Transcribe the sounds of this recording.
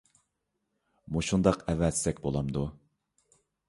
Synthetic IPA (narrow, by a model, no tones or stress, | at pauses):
muʃund̪ɑqɛvːɛzsɛkʲbolˠɑmd̪u